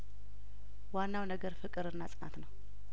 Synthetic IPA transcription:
wanːawnəɡəɾfɨkʼɨɾɨnːasʼɨna̰t̪nəw

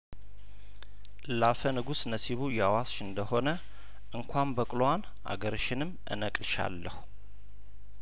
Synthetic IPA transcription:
ʔɨlafənɨɡusnəsiβujɛawasʃɨnd̪əho̞nə | ʔɨŋkʷʰambəkʼlowan | ʔa̰ɡəɾɨʃɪnɨmʔɨ̰nəkʼlʃa̰lːəhu̥

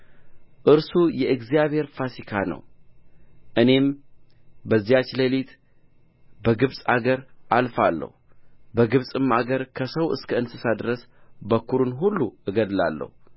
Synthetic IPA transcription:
ʔɨɾsujɛʔɨɡzijaβhe̞ɾfasikʰanə̰w | ʔɨne̞m | bəzːijat͡ʃːləlit̪ | bəɡɨβsʼaɡəɾʔalfalːə̰hubəɡɨβsʼɨmaɡəɾkʰəsəwɨ̰skʰəɨnsɨsad̪ɾəs | bəkʰːuɾunɦulːuʔɨɡəd̪la̰lːə̰hu

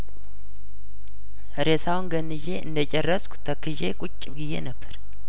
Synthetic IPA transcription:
əɾesawnɡənːɨʒe̞ʔɨ̰nd̪ət͡ʃʼɛrːəskʷʰu̥t̪ʰəkʰːɨʒekʼʊt͡ʃʼːɡɪjːḛnəbːəɾ

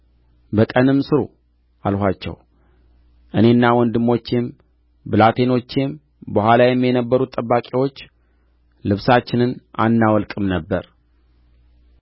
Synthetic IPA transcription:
bəkʼənɨmːsɨɾṵ | ʔalhʷat͡ʃːɛ̰w | ʔɨne̞nːawɔnd̪ɨmːo̞t͡ʃːem | bɨlat̪ʰe̞no̞t͡ʃːem | bəhʷalajɛmːjɛnəbːəɾut̪ʼːəbːakʼiwo̞t͡ʃː | lɨβsat͡ʃːɪnɨnʔa̰nːawɔlkʼɨmnəbːə̰ɾ

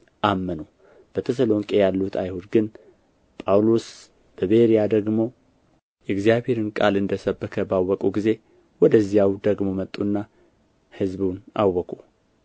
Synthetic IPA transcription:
ʔamːənu | b̥ət̪ʰəs̬əlo̞ŋkʼejalːut̪ʰajhud̪ɡɨn | pʼawlo̞s | b̥əβeɾijad̪əɡmo̞ | jɛɡzijaβhe̞ɾɨnkʼa̰lɨnd̪əsəbːəkʰəbawːɔkʼuɡize̞ | wɔd̪əzːijawd̪əɡmo̞mət̪ʼːunːa | hɨzbuna̰wːɔkʼu

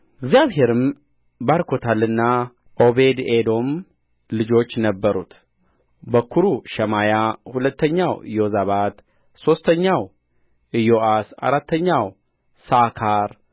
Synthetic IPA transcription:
ɪɡzijaβhe̞ɾɨm | baɾkʰo̞t̪ʰalɨnːa | ʔo̞be̞d̪ed̪o̞m | lɨd͡ʒo̞t͡ʃːnəbːəɾṵt̪ | bəkʰuɾuʃɛmajahulət̪ːəɲːawɨ̰jo̞zaβat̪ | so̞st̪ʰəɲːaw | ɨjo̞ʔasa̰ɾat̪ːəɲːaw | sakʰaɾ

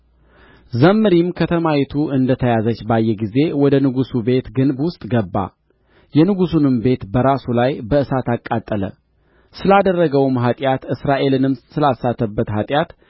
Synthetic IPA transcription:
zəmːɨɾimkʰət̪ʰəmajɛt̪ʰuʔɨnd̪ət̪ʰəjazət͡ʃːbajːɛɡize̞wɔd̪ənɨɡusube̞t̪ɡɨnbwʊst̪ʼɡəbːa̰ | jɛnɨɡusunɨmbe̞t̪bəɾasulajbəɨsat̪akʼːat̪ʼːələ̰ | sɨlad̪ərːəɡəwmɦat̪ʼjat̪ɨsɾaʔe̞lɨnɨmsɨlalsat̪ʰːəbːət̪ɦat̪ʼjat̪

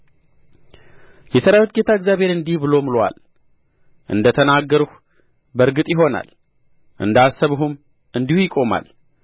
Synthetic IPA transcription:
jɛsəɾawet̪ɡe̞t̪ʰaɨɡzjaβhe̞ɾɨnd̪ihbɨlo̞mɨlowa̰l | ʔɨ̰nd̪ət̪ʰənaɡːəɾuh | bəɾɡɨt̪ʼjɪɦo̞na̰l | ʔɨ̰nd̪asːəβɦum | ɨnd̪ihujɪkʼo̞ma̰l

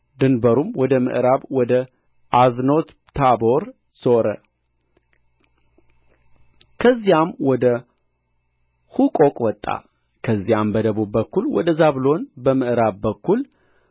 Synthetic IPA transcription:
d̪ɨnbəɾumwɔd̪əmɨ̰ʔɾaβwɔd̪ə | ʔazno̞t̪ʰabo̞ɾ | soɾə | kʰəzːijamwɔd̪ə | hukʼokʼwɔt̪ʼːa̰ | kʰəzːijambəd̪əβubbəkːulwɔ̰d̪əzaβlo̞nbəmɨʔɾaβbəkːul

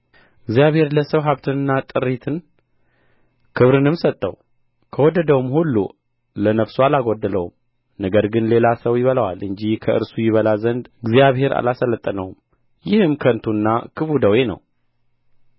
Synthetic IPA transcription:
ɨɡzijaβhe̞ɾləsəwɦaβt̪ʰɨnɨnːat̪ʼɨɾːit̪ʰɨn | kʰɨβɾɨnɨmsət̪ʼːə̰w | kʰəwɔd̪əd̪əwumhulːṵ | lənəfsualaɡod̪ːələwum | nəɡəɾɡɨnle̞lasəwjɪβələwalɨɲd͡ʒihkʰəʔɨ̰ɾsujɪβəlazənd̪ɨɡzijaβhe̞ɾa̰lasələt̪ʼːənəwum | jɪhɨmkʰənt̪ʰunːakʰɨfud̪əwenə̰w

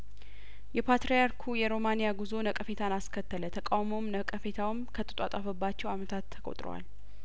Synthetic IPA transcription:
jɛpʰat̪ɾejaɾkʰujɛɾo̞manijaɡuzonəkʼəfe̞t̪ʰanaskʰət̪ːələt̪ʰəkʼawmowmnəkʼəfe̞t̪ʰawɨmkʰət̪ʼɨt̪ʼat̪ʼafəbːat͡ʃːɛwamət̪ʰat̪ʰːə̥kʼo̰t̪ʼɾo̰wa̰l

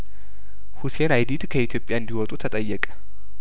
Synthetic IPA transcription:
husenajd̪id̪kʰəit̪ʰjo̞pʼːjaɨnd̪iwɔt̪ʼut̪ʰət̪ʼəjːɛkʼə̥

